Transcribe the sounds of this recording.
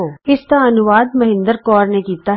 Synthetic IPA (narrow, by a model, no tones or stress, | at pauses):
oːɪsk̪aɐnʊʋaːd̪mɐɦɪ̃nd̪əɾkɔːɾnekiːt̪a